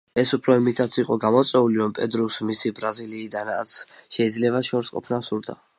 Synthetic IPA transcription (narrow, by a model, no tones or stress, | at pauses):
ɛsupʰɾɔimit̪ʼʰat̪sʰiqʼɔɡamɔt̪sʼwɛuliɾɔmpʼɛd̪ɾusmisibɾaziliːd̪ana̰t̪sʰʃɛid̪zlɛβaʃɔɾsqʼɔ̰pʰnasuɾd̪a̰